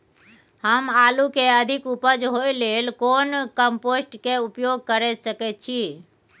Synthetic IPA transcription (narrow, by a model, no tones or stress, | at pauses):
həmalukeəd̪ʱikupəd͡ʒɦojlelkonkəmposʈkeupjoɡ̚kəɾɛsəkɛt̪̚t͡ʃʰi